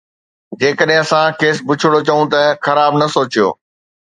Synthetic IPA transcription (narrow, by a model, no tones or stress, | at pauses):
d͡ʑeːkəɗɦɪ̃ɐsãkeːsbʊt͡ɕʰɪɽot͡ɕɐũt̪ɐxɐɾaːbnɐsoːt͡ɕijo̰ː